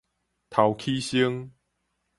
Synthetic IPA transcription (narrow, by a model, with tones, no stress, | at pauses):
t̪ʰa˨˩wkʰi˦ɕi˦ŋ